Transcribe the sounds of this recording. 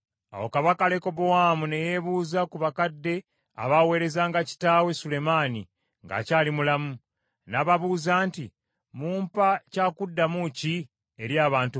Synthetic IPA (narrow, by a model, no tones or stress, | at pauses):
a̰wokaβakale̞ko̞bowaːmune̞jeβuːzakuβakadːe̞ | a̰βawe̞ːɾe̞zaːŋɡaci̥taːwe̞sule̞maːnḭ | ŋɡa̰caːlimulamu | naβaβuːzaːnti | muːmpacaːkudːamuci | eɾjaːβaːntu